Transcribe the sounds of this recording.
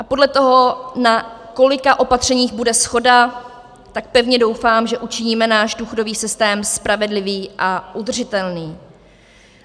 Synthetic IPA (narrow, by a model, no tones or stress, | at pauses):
ʔapo̞dlɛt̪o̞ɦo̞nako̞lɪkaʔo̞pat̪r̝̥ɛɲiːɣbudɛsxo̞da | t̪ak̚pɛvɲɛdo̞wfaːmʒɛʔut͡ʃɪɲiːmɛnaːʒduːxo̞do̞viːsɪst̪ɛːmspɾavɛdlɪviːʔaʔud̪r̩ʐɪt̪ɛlniː